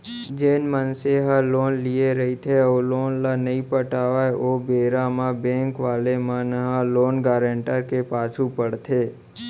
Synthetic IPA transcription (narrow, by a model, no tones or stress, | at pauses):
d͡ʒeːnmənseɦəloːnlieɾəɦit̪ʰeoloːnlanəĩpəʈaːʋaoːbeːɾãmãbẽːŋkʋaːlemãnəɦãloːnɡaːɾẽːɳʈəɾkepaːt͡ʃʰupəɽt̪ʰeː